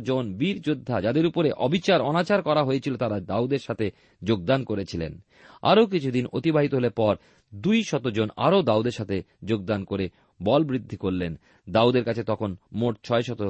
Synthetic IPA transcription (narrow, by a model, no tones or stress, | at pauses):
d͡ʑonbiɾd͡ʑod̪ʱːad͡ʑad̪eɾupoɾeʔɔbit͡ɕaɾɔnat͡ɕaɾkɔɾaɦoet͡ɕʰilot̪aɾad̪aud̪eɾʃat̪ʰe | d͡ʑoɡ̚d̪ankoɾet͡ɕʰilḛn | a̰ɾok̬it͡ɕʰud̪inot̪ibaɦit̪oɦelepɔɾ | d̪ujʃɔt̪od͡ʑona̰ɾod̪aud̪eɾʃat̪ʰe | d͡ʑoɡ̚d̪ankoɾe | bɔlbɾid̪ʱːikoɾlen | d̪aud̪eɾkat͡ɕʰet̪ɔkʰonmoʈ̚t͡ɕʰɔeʃɔt̪o